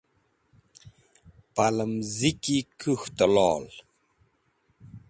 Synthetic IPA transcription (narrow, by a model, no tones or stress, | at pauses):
paləmzikikʰuht̪əlɔːl